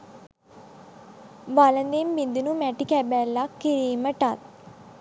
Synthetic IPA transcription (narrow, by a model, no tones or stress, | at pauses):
ʋalənd̪embind̪unumæʈikɛbæːlːakːiɾiːməʈat̪̚